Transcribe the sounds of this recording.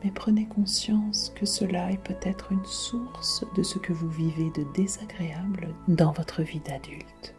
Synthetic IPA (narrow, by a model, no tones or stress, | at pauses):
mɛpχənekɔ̃sjɑ̃skəsəlaɛpøt̪ɛt̪χynsuʁsd̪əsəkəvuvived̪əd̪ezaɡʁeabld̪ɑ̃vɔt̪χəvid̪ad̪ylt̪